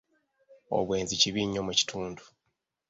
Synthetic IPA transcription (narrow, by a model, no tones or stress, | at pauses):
o̰βwe̞ːnziciβiɲːo̞muci̥tʰuːndu